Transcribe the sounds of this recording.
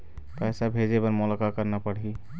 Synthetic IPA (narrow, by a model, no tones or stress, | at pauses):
pɛːsabʱeːd͡ʒebəɾmoləkakəɾnapəɽ̤i